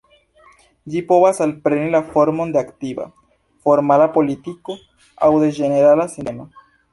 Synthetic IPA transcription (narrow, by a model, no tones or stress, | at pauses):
d͡ʒipo̞vasalpɾe̞nilafo̞ɾmo̞ndeaktiva̰ | fo̞ɾmalapo̞litiko̞ | a̰wde̞d͡ʒe̞ne̞ɾalasinema